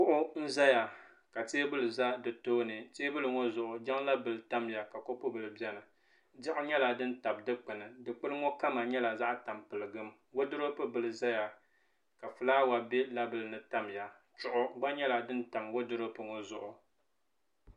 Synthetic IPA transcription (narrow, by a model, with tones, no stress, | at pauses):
k͡pʊ˦ʔʊ˦n̩˦za˦ja˨ | ka˨teː˦bɨ˦lɨ˨za˦dɨ˨toː˦nɨ˨teː˦bɨ˦lɨ˨ŋɔ˦zʊ˨ʔʊ˨d͡ʒɛ˦ŋla˦bɨ˨lɨ˨ta˦mja˨ka˨ko˦pɨ˦bɨ˨lɨ˨bɛ˦nɨ˨ | d͡ʒɪ˦ʔʊ˦ɲɛ˦la˨dɨ˦n̩˦ta˨b̚dɨ˦k͡pɨ˨nɨ˨dɨ˨k͡pɨ˦lɨ˦ŋɔ˦ka˦ma˨ɲɛ˦la˨za˦ʔta˨mpɨ˨lɨ˨ɡɨ˦m | wo˦dɨ˦ɾo˦pɨ˦bɨ˨lɨ˨za˦ja˨ | ka˨fɨ˨laː˦wa˨be˦la˦bɨ˨lɨ˨nɨ˨ta˦mja˨ | t͡ʃʊ˦ʔʊ˦ɡ͡ba˦ɲɛ˦la˨dɨ˦n̩˦ta˨mwo˦dɨ˦ɾo˦pɨ˨ŋɔ˦zʊ˨ʔʊ˨